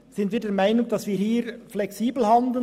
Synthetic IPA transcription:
z̥ɪntviːdɛɾmaɪnʊŋd̥ɑsviːɾhiːɾflɛksiːbl̩ɦɑndl̩

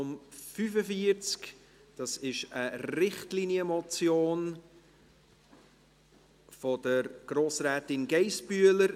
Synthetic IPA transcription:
ʊmfyfəfiəɾt͡sk | d̥ɑsɪʃəɾɪχtlinjəmɔt͡sjoːn | fɔd̥əɾɡ̥ɾoːsɾɛːtɪnɡɛɪsbyələɾ

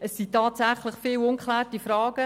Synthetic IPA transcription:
əsːitɑːtsæχləχfɪːlʊnkχlæːɾtifɾɑːɡ̥ə

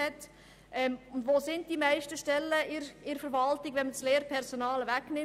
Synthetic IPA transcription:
ɛt | ʔɛmʊndʋoːsɪntd̥imæɪʃtəʃtɛlːəɪɾɪɾfəɾʋɑltɪɡʋɛnməsleːɾpʰɛɾsonɑːləvæknɪ

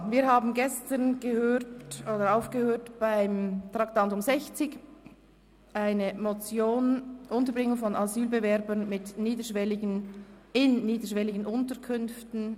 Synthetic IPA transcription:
viːɐhaːbn̩ɡɛstənɡ̥əhøːtʔoːdəɾaʊfɡ̥əhøːtb̥aɪmtʁɑktɑntʊmzɛçt͡sɪɡ | ʔaɪnəmot͡sjoːnʔʊntəbʁɪŋːʊŋfɔnazyːlbɛvɛɐɾbənmɪtniːdəʃvɛlɪɡənɪnniːdəʃvɛlɪɡənʔʊntəkʰʏnftn̩

